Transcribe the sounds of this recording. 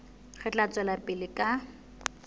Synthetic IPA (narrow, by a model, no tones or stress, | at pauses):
χɛt͡ɬʼat͡sʼwɛlapʼɪlɪkʼa